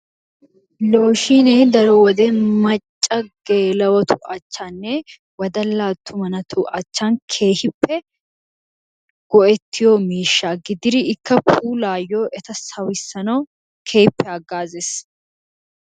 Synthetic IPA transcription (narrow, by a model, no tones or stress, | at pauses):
lo̞ːʃineːd̪ɐɾɔwɔd̪ɛmɐt͡ʃʼːɐɡ̥eːlɐwɐt̪ʊ̥ʔɐt͡ʃːanːɛ | wɐd̪ɐlːaːt̪ʰːʊmɐnɐt̪ʰʊʔɐt͡ʃːankʰeːhɪpːɛ | ɡ̥ɔʔɛt̪ːɪjɔːmiːʃːaːɡɪd̪ɪɾɪɪkːɐpʰuːlaːjːoːʔɛt̪ɐsɐwɪsːɐnɐw | kʰeːhɪpːɛɐɡːaːzeːs